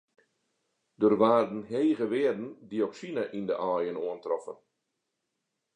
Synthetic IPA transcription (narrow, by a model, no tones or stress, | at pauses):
dərʋaːrdn̩ɦeːɣəʋɪədn̩dioksinaʔindəʔɔːjənoəntrɔfə̰n